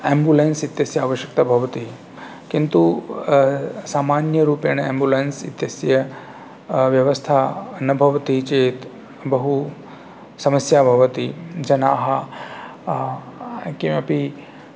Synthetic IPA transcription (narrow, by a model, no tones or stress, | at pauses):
embulensit̪jɐsjɐaːʋɐʃjɐk̚t̪ɐbʱɐʋɐt̪i | kint̪u | saːmaːnjɐɾuːpjɐɳ̃embuleːnsḭt̪jɐsjɐ | ʋjɐʋɐst̪ʰaːɐnɐbʱɐʋɐt̪it͡ʃeːt̪ | bɐɦu | sɐmɐsjaːbʱɐʋɐt̪id͡ʒɐnaːɦɐ | kimɐpi